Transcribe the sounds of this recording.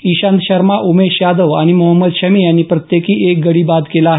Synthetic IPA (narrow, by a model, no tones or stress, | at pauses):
iɕãnd̪ɕəɾmaʔumeɕjad̪əʋaɽ̃imuɦəmːəd̪ɕəmiːjanːiːpɾət̪jekiːek̚ɡəɽiːbad̪kelaːɦe